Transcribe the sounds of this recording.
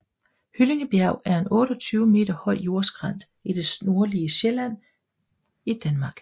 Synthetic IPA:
hyle̝ŋəb̥jæʊ̰ʔæɐe̝nɔ̽ːɾ̥ɒt͡sʰyːʊəme̝̰ːd̥ɐhɒ̽ɪ̰jo̝ɐ̰sɡ̥ʁɑn̰d̥ | id̥e̝sno̝ɐliəɕelæn̰ | id̥ænmɑ̈ːɡ̥

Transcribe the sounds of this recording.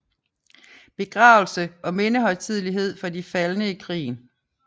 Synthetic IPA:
b̥e̝ɡ̥ʁɑ̈ːʊl̩səʔɒ̽me̝nəɦɒ̽ɪt͡sʰið̞̰ˠliɦe̝ð̰ˠfɒ̽difælnəikʰʁḭːn

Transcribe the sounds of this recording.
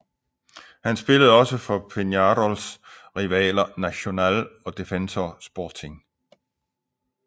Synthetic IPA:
hænsb̥e̝ləð̞̩ˠɒ̽səfɒ̽pʰe̝njɑɾɒlsʁiʋɛ̰ːlɐnæɕo̝nælɒ̽d̥e̝fensɒsb̥ɒːt͡sʰe̝ŋ

